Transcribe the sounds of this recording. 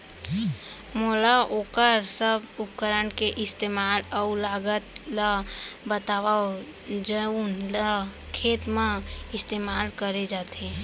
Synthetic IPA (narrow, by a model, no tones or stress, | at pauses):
moːlaʔoːkəɾsəbʊp̚kəɾənkeʔɪst̪eːmaːlɔlaːɡət̪labət̪aːwao | d͡ʒəunləɾa | kʰeːt̪mãɪst̪eːmaːlkəɾed͡ʒaːt̪eː